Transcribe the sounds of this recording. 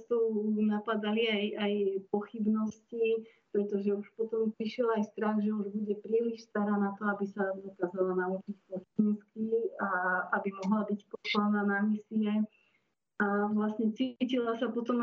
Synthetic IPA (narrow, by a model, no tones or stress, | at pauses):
st̪ɔʊnapad̪aliajajpɔxibnɔsci | pɾɛt̪ɔʒɛuʃpɔt̪ɔmpɾiʃɪɛlajst̪ɾaxʒɛuʒbuɟɛpɾiːliʃst̪aɾaːnat̪ɔabisad̪ɔkaːzalanaut͡ʃicpɔstinskiaabimɔɦlabicpɔslananamisiɛ | aʋlasɲɛt͡sicilasapɔt̪ɔm